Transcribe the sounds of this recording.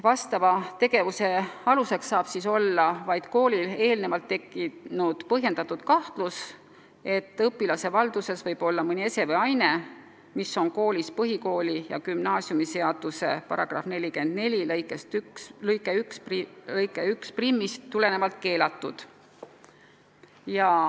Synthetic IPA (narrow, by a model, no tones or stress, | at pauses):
vɑst̪ɑvɑt̪e̞ɡ̥e̞vuse̞ɑluse̞ksɑːb̥siso̞lːɑvɑjd̪̥ko̞ːlʲile̞ːlne̞vɑlt̪ːe̞kːˑinud̪̥pɤɦje̞nd̪ɑt̪ːˑud̪̥kɑht̪lus | e̞t̪ːˑɤpːilɑse̞vɑld̪̥use̞svɤjb̥o̞lːɑmɤnʲie̞se̞veɑjne̞ | miso̞nko̞ːlʲispɤɦiko̞ːlijɑ̰kymnɑːsjumise̞ɑd̪̥use̞̰pɑ̰ɾɑɡ̥rɑ̰fne̞lʲike̞nd̪̥ne̞lʲilɤjkˑe̞st̪ykslɤjkːˑeyksplɤjkːˑeyksprimːist̪ːule̞ne̞vɑlt̪̚ke̞ːlɑt̪ːˑud̪̥ | jɑ